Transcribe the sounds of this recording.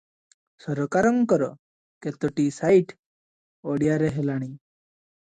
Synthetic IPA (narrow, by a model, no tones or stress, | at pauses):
sɔɾɔkaɾɔŋkɔɾɔ | ket̪ɔʈisajʈ | ɔɽijaɾeɦelaɽ̃i